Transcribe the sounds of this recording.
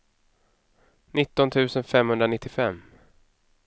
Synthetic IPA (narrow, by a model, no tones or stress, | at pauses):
nɪt̪ːɔnt̪ʰʉ̟ːsənfɛmhɵnd̪ɾanɪt̪ːɪfɛmː